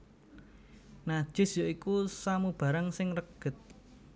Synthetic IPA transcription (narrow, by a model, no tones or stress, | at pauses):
nḁʒ̥ɪ̤sjoikusamub̥ä̤ɾaŋsɪŋrəɡ̥ə̤t̪̚